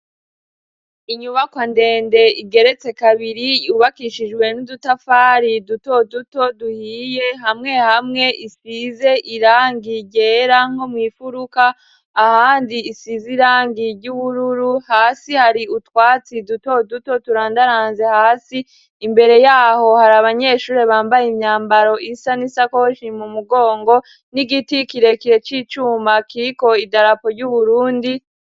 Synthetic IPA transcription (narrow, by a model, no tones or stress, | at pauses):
iɲuβakwande̞ːnde̞iɡe̞ɾe̞t͡se̞kaβiɾijuβakiʃid͡ʒɡwe̞nudutafaːɾiduto̞duto̞duhiːje̞ɦamŋe̞hamŋe̞ʔisize̞ʔiɾaːŋɡiɟeːɾaŋ̥ho̞mŋiːfuɾukaː | haːndiːsiziɾaːŋɡiɾɟuβuɾuɾuhaːsihaɾiutwaːt͡siduto̞duto̞tuɾaːndaɾaːnze̞haːsiː | mbe̞ɾe̞jaːho̞haɾaβaɲe̞ʃuːɾe̞βaːmbajimɲaːmbaɾo̞ʔisanisakohoʃimumuɡo̞ːŋɡo̞ | niɡitikiɾe̞kiɾe̞t͡ʃiːt͡ʃuːmakiɾiko̞idaɾapo̞ɾɟuβuɾuːndi